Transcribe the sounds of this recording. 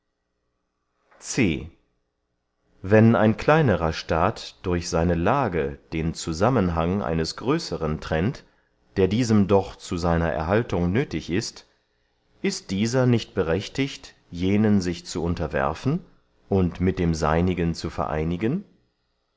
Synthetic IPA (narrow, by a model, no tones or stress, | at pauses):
t͡sḛː | vɛna̰ɪnkl̥aɪnəʁɐʃtaːtd̥ʊɐçz̥aɪnəlaːɡəd̥eːnt͡suzamənɦaŋʔa̰ɪnəsɡ̥ʁøːsəʁəntʁ̥ɛnt | d̥eːɐdiːzəmdɔχt͡suzaɪnɐʔɛ̰ɐɦaltʊŋnøːtɪçɪst | ʔɪst̚d̥iːzɐnɪçt̚b̥əʁɛçtɪçt | jeːnənzɪçt͡suʊntɐvɛ̰ɐfn̩ | ʔʊntmɪt̚d̥eːmza̰ɪnɪɡənt͡sufɛ̰ɐʔa̰ɪnɪɡən